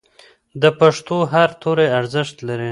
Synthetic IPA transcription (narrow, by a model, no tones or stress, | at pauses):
d̪əpaʂt̪oɦaɾt̪ʰoɾeaɾzəʃt̪laɾi